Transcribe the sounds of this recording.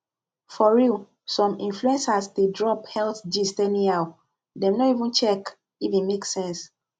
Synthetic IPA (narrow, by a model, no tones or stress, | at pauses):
fɔɹu | sɔ̃mḭ̃nfluɛ̃nsastedɹɔphɛlθdistɛnĩaw | dɛ̃mnɔivũnt͡ʃɛk | ivĩnmeksɛ̃ns